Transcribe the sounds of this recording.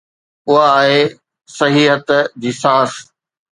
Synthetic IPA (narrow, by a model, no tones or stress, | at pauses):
ʊɦaːɦe | sɐɦiːɦət̪d͡ʑiːsaːs